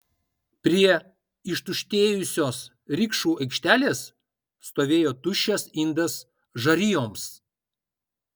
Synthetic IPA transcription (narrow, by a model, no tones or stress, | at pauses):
pʲɾʲiɛ | ɪʃt̪ʊʃʲt̪ʲeːjʊsʲoːs | ɾʲɪkʃuːɐɪkʃʲt̪ʲæːlʲeːsː | t̪oːʋʲeːjoːt̪ʊʃʲɛsɪnd̪ɐs | ʒɐɾʲɪjoːms